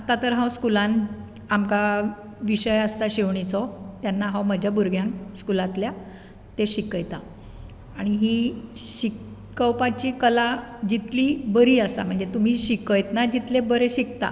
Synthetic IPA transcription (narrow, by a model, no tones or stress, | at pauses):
at̪at̪əɾɦãwskulan | amka | ʋiɕəjəst̪aɕeʋɳit͡sɔt̪janːaɦãwməd͡ʑʱjabuɾɡjãnkskulat̪lja | t̪eɕikəjt̪a | aɽ̃iɦiːɕikː | əwpat͡ɕiːkəlad͡ʑit̪liːbəɾiːəsa̰m̤əɳd͡zet̪um̤iːɕikəjt̪nad͡ʑit̪lebəɾeɕikt̪a̰